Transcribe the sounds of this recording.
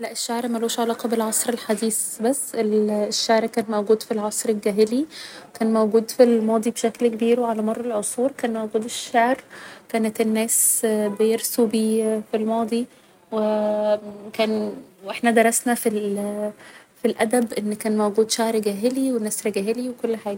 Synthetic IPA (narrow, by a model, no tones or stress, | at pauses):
læʔeʃːaʕɾmæloːʃʕalɑːqɑbelʕɑsˤɾelħad̪iːsbæsːelʃːaʕɾkæːnmæwɡuːd̪filʕɑsˤɾelɡæːɦelikæːnmowɡuːd̪filmɑːd̪ˤibʃæklkebiːɾwʕalæmɑrˤːɑlʕosˤuːɾkæːnmæwɡuːd̪eʃːaʕɾkæːnet̪enːæːsbejeɾsubiːfilmɑːd̪ˤi | we | kæːnwʔeħnæd̪ɑɾˤɑsnæfil | filʔæd̪æbʔenːkæːnmæwɡuːd̪ʃaʕɾɡæːɦeliwenːæːsɾeɡæːɦeliwekolːħaːɡæ